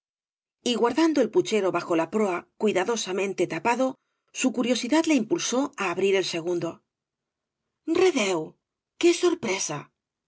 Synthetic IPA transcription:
iɣwaɾðand̪oe̞lput͡ʃe̞ɾo̞βaxo̞lapɾoakwiðaðo̞samẽnt̪et̪apaðo̞ | sukuɾjo̞siðaðle̞impulso̞aːβɾiɾe̞lse̞ɣ̞und̪o̞ | reðew | ke̞so̞ɾpɾe̞sa̰

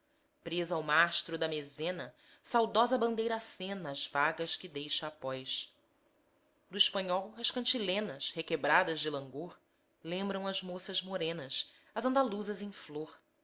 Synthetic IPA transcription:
pɾezɐawmaʃt̪ɾʊd̪ɐmezẽnɐ | sawd̪ɔzɐbɐ̃nd̪ejɾɐaːsẽnɐːzvaɡɐʃkɪd̪ejʃɐːpɔjʃ | d̪ʊiʃpɐ̃ɲɔwɐʃkɐ̃nt͡ʃilẽnɐshekebɾad̪ɐzd͡ʒɪlɐ̃ŋɡoɾ | lẽmbɾɐ̃w̃ɐzmosɐzmoɾẽnɐs | ɐzɐ̃nd̪aluzɐzẽj̃floɾ

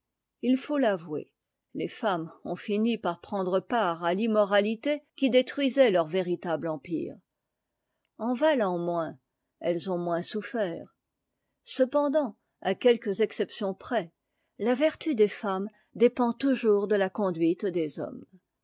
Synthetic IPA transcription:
ilfolavwḛ | lefamɔ̰̃finipaʁpχɑ̃d̪ʁəpaʁalimɔʁalit̪ekʲid̪et̪χɥizɛlœʁveʁit̪ablɑ̃pḭːʁ | ɑ̃valɑ̃mwɛ̃ | ɛlzɔ̃mwɛ̃sufɛːʁ | səpɑ̃d̪ɑ̃ | akʲɛlkəzɛksɛpsjɔ̃pχɛ | lavɛʁt̪yd̪efam | d̪epɑ̃t̪uʒuʁd̪əlakɔ̃d̪ɥit̪d̪ezɔ̰m

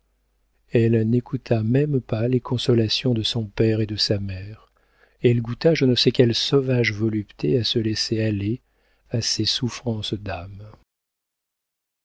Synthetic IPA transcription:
ɛlnekut̪ʰamɛmpalekʰɔ̃sɔlasjɔ̃d̪əsɔ̃pɛʁed̪əsamɛʁ | eɛlɡut̪aʒənəsɛkʲɛlsɔvaʒvɔlypt̪ʰeasəlɛseale | asesufχɑ̃sd̪am

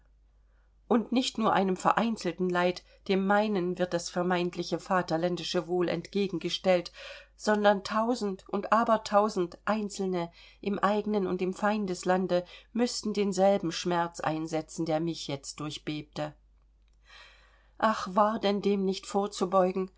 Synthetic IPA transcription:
ʔʊntnɪçtnuːɐʔaɪnəmfɛɐʔaɪnt͡sl̩tn̩laɪt | d̥eːmːaɪnənvɪɐt̚d̥asfɛɐmaɪntʰlɪçəfaːtɐlɛndɪʃəvoːlɛ̰ntɡ̥eːɡŋ̩ɡəʃtɛltz̥ɔndɐntʰaʊzn̩tʔʊntʔaːbɐtʰaʊzn̩tʔaɪnt͡sl̩nə | ʔɪmʔaɪɡənənʊ̰ntɪmfaɪndəslandəmʏstn̩deːnzɛlbm̩ʃmɛɐt͡sʔa̰ɪnzɛt͡sn̩deːɐmɪçjɛt͡st̚d̥ʊɐçb̥eːp̚tə | ʔaχv̥aːɐdɛndeːmnɪçtfoːɐt͡subɔʏɡŋ̩

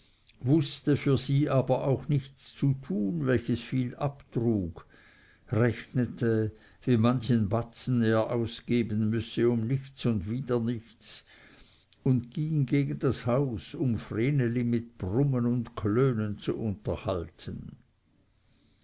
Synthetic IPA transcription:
vʊstəfyːɐziːʔaːbɐʔaʊxnɪçt͡st͡sutʰuːnvɛlçəsfiːlʔaptʁuːɡ̥ | ʁɛçnətʰə | viːmançənbat͡sn̩eːɐʔaʊsɡ̥eːbənmʏsəʊmnɪçt͡sʊndviːdɐnɪçt͡s | ʊndɡ̥iŋɡeːɡən̩d̥ashaʊsʊmfreːnelimɪt̚b̥rʊmənʊndkʰløːnənt͡suʔʊntɐhaltʰən

